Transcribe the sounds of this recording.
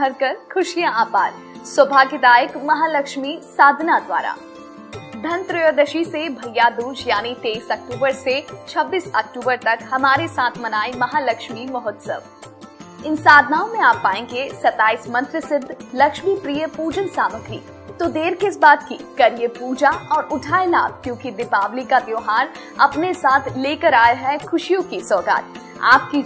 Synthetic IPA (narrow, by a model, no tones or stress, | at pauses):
ɦɐɾkɐɾkʰʊʃijãʔaːpaːɾ | swɐbʱaːkɪd̪aːjəkmɐɦaːlɐkʃmisaːd̪ʱnad̪ʋa̰ːɾa̰ː | d̪ʱɐnt̪ɾɪjoːd̪əʃisebʱɐjːad̪uːd͡ʒjaːnit̪eːisɐk̚ʈuːbəɾset͡ʃʰɐbːiːsɐk̚ʈuːbəɾt̪ɐkhɐmaːɾesaːt̪ʰmɐnaːimɐɦaːlɐkʃmimɐɦɔːt̪sə̰ʋ | ɪnsaːd̪ʱnaːõmẽaːpːaːẽːɡesɐt̪aːiːsmɐ̃nt̪ɾəsɪd̪ʱlɐkʃmipɾiːjəpuːd͡ʒənsaːməɡɾḭː | t̪od̪eːɾkɪsbaːt̪kikɐɾiəpuːd͡ʒaɔːɾʊʈʰaːela̰ːb̚kjõːkid̪ɪpaːʋlikad̪joːɦaːɾ | ɐpnesaːt̪ʰleːkəɾaːjaɦɛkʰʊʃijõkisɔːɡa̰ːt̪̚ | a̰ːp̚ki